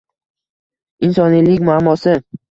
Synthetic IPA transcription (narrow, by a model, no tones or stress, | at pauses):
ɪnsɒnilɪkʲmʊamːɒsɪ